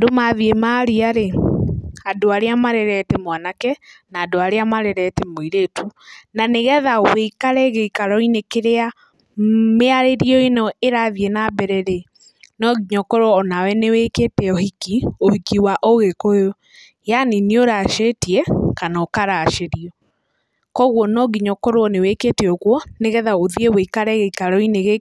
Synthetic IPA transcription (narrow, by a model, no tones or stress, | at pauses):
domaðiemaːɾiaɾe | adoaɾeamaɾɛɾɛtɛmwanakɛnaːdoaɾeamaɾɛɾɛtɛmoiɾetunaneɣɛðaweikaɾɛɣeikaɾɔinekeɾea | meaɾeɾiɔenɔʔeɾaðienaːbɛɾɛɾe | nɔɣiɲɔkoɾoɔːnawɛneweːketɛɔhikiohikiwaʔoɣekojɔ | janinioɾaʃetiɛkanɔkaɾaʃeɾiɔ | kɔɣwɔnɔɣiɲɔkoɾoɔneweketeɔɣwɔneɣɛðaoðieweikaɾɛɣeikaɾɔineɣe